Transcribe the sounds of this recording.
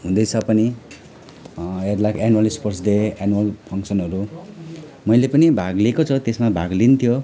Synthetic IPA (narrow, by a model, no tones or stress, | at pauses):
ɦũd̪ʌjt͡sʰʌpʌni | eɾlakanualisporsd̪eanuʌlpʰʌŋksʌnɦʌɾu | mʌjlepʌnibʱaɡlekot͡sʰʌt̪esmabʱaɡlint̪ʰjo